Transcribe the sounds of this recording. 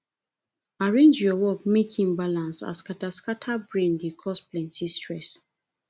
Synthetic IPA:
aɹẽnd͡ʒjɔwɔk̚mekʰĩŋbalãnsa̰skataskatʰabɹẽndekʰɔsplɛ̃ntʰistɹɛs

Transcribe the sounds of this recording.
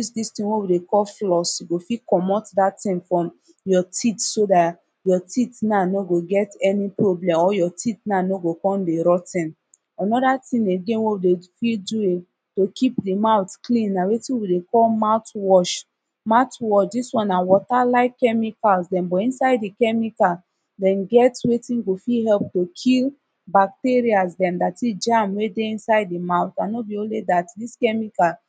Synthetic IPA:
usdistĩnwewidekɔlflɔsiɡofikɔmɔtdatĩnfɹɔ̃m | jɔtʰitsoda | jɔtitnanoɡoɡɛtɛnipɹoblɛ̃mɔjɔtitnanoɡokɔ̃ndeɹɔtɛ̃n | anɔdatĩneɡẽnwewidefildue | tokʰipdimaʊtklĩnːãwetĩwidekɔlmatwɔʃ | maʊtwɔʃdiswɔ̃nawɔtalaɪkkːɛmikalsdɛ̃mbɔĩnsaɪdikɛmika | dɛ̃nɡɛtwetĩnɡofiɦɛlp̚tokʰil | bak̚teɹiasdɛ̃mdatid͡ʒamwedeĩnsaɪd̚imaʊtanobiõnledatdiskɛmikal

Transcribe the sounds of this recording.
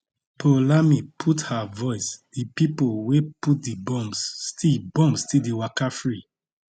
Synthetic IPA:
pʰolamipʰuthavɔɪsd̥ipipolweput̚dibɔ̃mstibɔ̃mstidiwakafɹi

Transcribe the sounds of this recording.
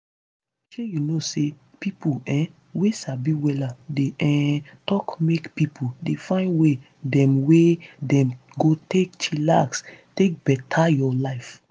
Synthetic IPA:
ʃejunose | pipuɛ̃ | wesabiwɛladeɛ̃tɔkmekpipʰudefãɪ̃nwe | dɛ̃mwedɛ̃m | ɡotekt͡ʃʰilakstek̚bɛtʰajɔlaɪf

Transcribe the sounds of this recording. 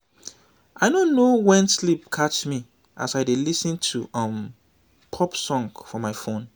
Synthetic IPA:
ʔaɪnõnːowɛ̃nslipkʰat͡ʃmi | ʔa̰saɪdelisə̃ntʰuʌ̃m | pʰɔpsɔ̃ŋɡfɹɔmaɪfõn

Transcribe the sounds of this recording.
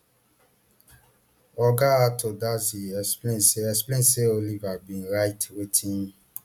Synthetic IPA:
ɔɡaatʰodasiɛsplẽseɛsplẽseolivabĩɾaitwetʰĩm

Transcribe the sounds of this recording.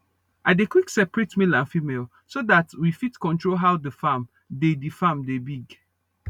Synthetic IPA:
ʔadekwiksɛpɹetmelãnfimel | sodatwifitkɔ̃ntɹolɦaʊdəfam | dedifamdebiɡ

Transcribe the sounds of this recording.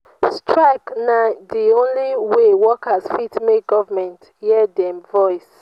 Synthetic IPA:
stʰɹaɪknadiõnliwewɔkazfitmeɡɔvamɛ̃nt | hiɛdɛ̃mvɔɪs

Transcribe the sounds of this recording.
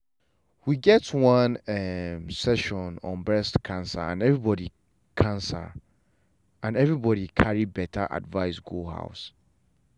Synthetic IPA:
wiɡɛtwʌ̃nɛmsɛʃɔ̃nɔ̰̃nbɹɛstkʰãnsa̰ã̰nɛvɹibɔdi | kʰãnsa̰ | ãnɛvɹibɔɾikʰaɹibɛtʰaʔa̰dvaɪsɡuha̰ʊs

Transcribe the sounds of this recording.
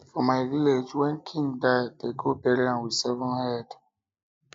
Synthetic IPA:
fɔmajɾiled͡ʒwɛ̃nkʰĩŋdajteɡopɛɾiãnwisɛvɔ̃nhɛd

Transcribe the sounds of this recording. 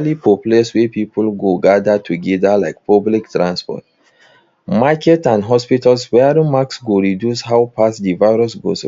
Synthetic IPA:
lipʰɔpleswɛpipulɡoɡadatʰuɡɛdalaɪk̚pʰɔbliktɹãnspɔ̰t | makɛtãndɦɔspitalswɛɾĩmaksɡoɹidjushawpʰasdivaɪɹɔsɡo̰s

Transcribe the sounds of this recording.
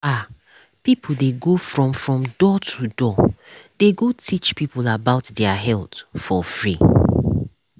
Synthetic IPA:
a | pipʰl̩deɡofɹɔ̃mfɹɔ̃mdɔtʰudɔd̥eɡotʰit͡ʃpipulabaʊtdɛaɦɛltfɔfɹi

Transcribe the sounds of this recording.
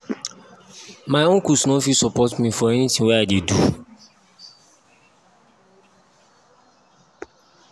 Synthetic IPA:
maɪõnkusnɔfisɔpɔtmĩfɔɛnitĩŋwɛadedu

